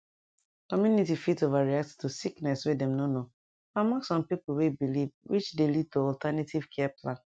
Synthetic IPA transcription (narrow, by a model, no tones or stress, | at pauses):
kɔmjunitifitovaɹiak̚ttusiknɛswedɛ̃mnono | famãksɔ̃mpipl̩webilivwit͡ʃdelid̚toɔltanatʰiv̥kʰɛaplãn